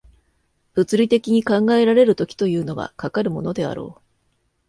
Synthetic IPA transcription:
b̥ɯ̟t͡sɨɾʲit̪e̞kʲiɲ̟ikãŋɡae̞ɾaɾe̞ɾɯ̟t̪o̞kʲi̥t̪o̞jɯ̟ːno̞βa̰kakaɾɯ̟mo̞no̞d̪e̞a̰ɾo̞̰ː

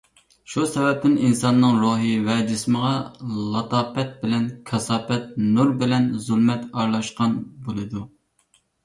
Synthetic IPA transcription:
ʃusɛvɛp̚t̪ɪnʔinsɑnːɨŋɾuːɦɨvɛd͡ʒɪsməʁɑlˠɑt̪ɑːpɛt̪̚bɪlɛnkʲʰɑsɑːpɛt̪̚nuɾbɪlɛnzulmɛt̪ɑɾlˠɑʃqɑnbolˠɨd̪u

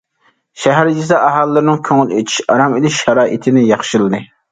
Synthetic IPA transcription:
ʃæɦæɾd͡ʒuzɑʔɑɦɑlˠːɨɾnɨŋkʲʰøŋɪlˠet͡ʃʰi̥ʃɑɾɑmilɪʃʃɑɾɑːʔit̪ʰɪnɪjɑχʃɨlˠɨd̪ɨ

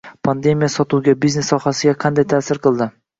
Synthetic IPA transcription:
pʰand̪e̞mijasɒt̪uwɡʲabizne̞sːɒhasɪɡʲaqʰɑnd̪ajt̪ʰaːsɪɾqʰɨlˠd̪ɪ

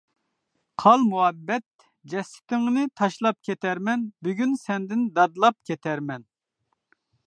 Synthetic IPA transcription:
qʰɑlˠmuɦɛbːɛt̪̚ | d͡ʒɛsːɪ̥t̪ɪŋnɨt̪ʰɑʃlˠɑp̚kʲʰet̪æɾmɛnbyɡʲynsɛnd̪ɪnd̪ɑd̪lˠɑp̚kʲʰet̪ʰɛɾmɛn

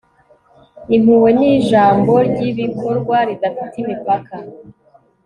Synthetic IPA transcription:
im̥uweɲiːʒaːmbo̞ɾɟiβiko̞ɾɡwaɾidafitimipaka

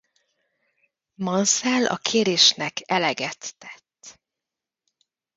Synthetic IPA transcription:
mɒnsɛlʔɒ̰kʰeːɾeːʃnɛkɛlɛɡɛt̪ːɛt̪ː

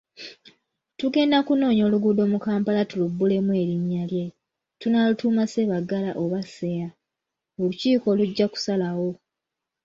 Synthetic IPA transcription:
tuɡe̞ːndakuno̞ːɲo̞ːluɡudo̞ːmukaːmpalatulubːule̞mwe̞ːɾiɲːalje̞ | tunalutuːmase̞βaɡalaʔo̞βase̞ja | oluciːko̞luɟːaku̥salawo̞

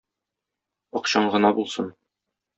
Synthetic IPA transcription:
ɒqɕɑɴɢɤ̆nɑbulˠsɤn

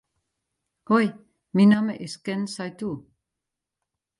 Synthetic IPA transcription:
hoj | minameʔiskensajt̪u

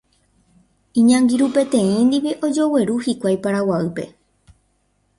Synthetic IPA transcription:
ĩɲãŋɡiɾupe̞t̪ẽ̞ĩnd̪iʋiʔo̞d͡ʒo̞we̞ɾuhikʷajpaɾawaɨpe̞̰

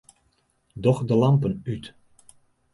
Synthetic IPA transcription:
dɔχdəlɑmpənyt

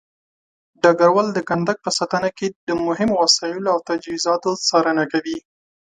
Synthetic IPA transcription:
ɖaɡaɾwald̪əkand̪aɡ̚pəsat̪anaked̪əmʊɦɪmwasɑjɪlawt̪ad͡ʒizɑt̪osɑɾənakawi

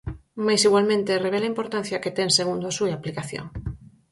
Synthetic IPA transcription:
majsiɣwalmẽnt̪ereβ̞elaimpoɾt̪an̟θjaket̪eŋseɣ̞und̪oasuaplikaθjo̰ŋ

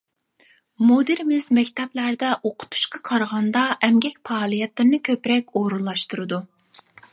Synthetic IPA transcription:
mod̪ɪɾmɪzmɛkʲt̪ʰɛblæɾd̪ɛʔoqʰʊ̥t̪ʰu̥ʃqɑqʰɑɾʁɑnd̪ɑʔɛmɡʲɛkʲfɑːlˠijɛt̪lɪɾnɪkʲʰøpɾɛkʲoɾunlˠɑʃt̪uɾɨd̪u

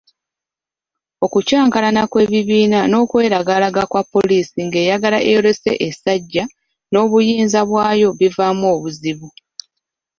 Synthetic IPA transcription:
o̞kucaːŋkalanakwe̞ːβiβiːnano̞ːkwe̞ːɾaɡalaɡakwapːo̞liːsiŋɡe̞ːjaɡalaʔejoɾe̞se̞̰ʔesaɟːa | no̞ːβujiːnzaβwaːjo̞βivamo̞ːβuziβu

